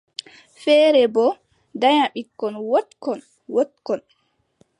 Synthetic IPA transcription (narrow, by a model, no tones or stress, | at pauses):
fɛːɾɛbɔ | daɲaɓikːɔnwotkɔn | wotkɔn